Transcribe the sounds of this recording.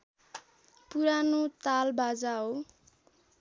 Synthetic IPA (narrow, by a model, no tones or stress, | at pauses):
puɾanot̪albad͡zaɦo